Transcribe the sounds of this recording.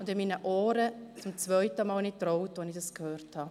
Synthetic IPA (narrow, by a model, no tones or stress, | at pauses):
ʊndɪmiːnəʔɔːɾət͡sʊmt͡svœʏtəmɑːlnitɾoʊtʋonɪçdɑskhøːɾthɑː